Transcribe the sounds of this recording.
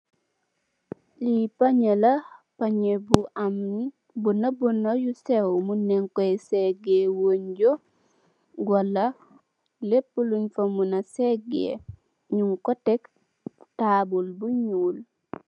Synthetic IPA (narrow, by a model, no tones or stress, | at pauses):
lipaɲelapaɲebuʔamn | bunabonojusewmuneŋkoeseɡewoɲɟo | ɡolːa | lepːuluɲfomunaseɡḛ | ɲuŋkotek | taːbulbuɲuːl